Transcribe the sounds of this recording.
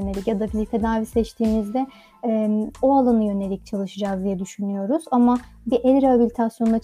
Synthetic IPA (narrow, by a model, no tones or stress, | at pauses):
nelʲicjad̪abilʲit̪ʰed̪aːvisɛt͡ʃt̪ʰiːmizd̪ɛ | oalˠanɯjø̞ne̞lʲic̚t͡ʃʰalˠɯʃɯd͡ʒazd̪ijɛd̪yʃynyjo̞ɾuz̥amabiʔɛlʲɾeɦabilʲit̪ʰasjo̞nd̪a